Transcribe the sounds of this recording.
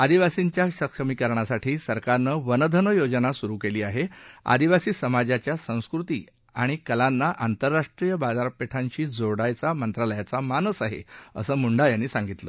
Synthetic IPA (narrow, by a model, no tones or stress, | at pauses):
ad̪iʋasiɲt͡ɕjaɕəkʂəmikəɾɳasaʈʰiːsəɾkaɾnəʋənəd̪ʱənəjod͡ʑnasuɾuːkeliːaɦea̰d̪iʋasiːsəmad͡ʑat͡ɕjasə̃w̃skɾut̪ḭː | aɽ̃ikəlanːaʔant̪əɾːaʂʈɾijəbad͡zaɾpeʈʰaɲt͡ɕiːd͡zoɽajt͡samənt̪ɾaləjat͡samanəsaɦḛə̰səːmuɳɖajanːiːsãŋɡit̪lə̰